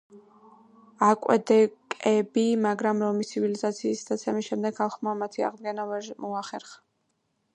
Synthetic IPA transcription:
akʼwɛ̰d̪ɛkʼɛbimaɡɾamɾɔmist̪ʰivilizat̪sʰiːsd̪at̪sʰɛmiʃɛmd̪ɛɡ̥χalˠχmamat̪ʰia̰ʁd̪̚ɡɛnamɔaχɛɾχḁ

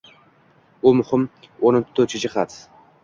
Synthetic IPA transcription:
ʊmʊhɪmonont̪ʰːɵt͡ʃʰɪd͡ʒɪχat̪

